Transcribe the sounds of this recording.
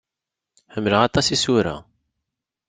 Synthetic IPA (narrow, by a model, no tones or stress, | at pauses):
ħəmːləʁɑt̪ˤɑsisuɾa̰